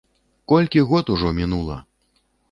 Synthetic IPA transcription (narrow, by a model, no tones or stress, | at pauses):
kɔlʲkʲiɣɔt̪uʐɔmʲinulˠɐ̰